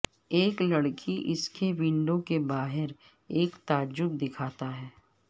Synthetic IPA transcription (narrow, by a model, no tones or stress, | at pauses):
eːklɐɽkʰiʔɪskʰeʋɪ̃ɳɖõkebaːɦɪɾ | eːkt̪aːd͡ʒʊɡd̪ɪkʰaːt̪aɦɛː